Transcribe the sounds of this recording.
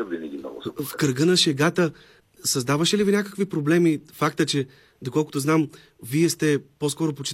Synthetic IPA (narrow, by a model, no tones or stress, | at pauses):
vinɛɡʲimnɔ̰ɡ̰fkɾɡənɐʃɛɡat̪ə | sɐzd̪avəʃɛlivinʲakəkvipɾoblɛmifak̚t̪ət͡ʃɛ | d̪okɔlˠkʊ̥t̪oznam | viɛst̪ɛposkɔɾopot͡ʃi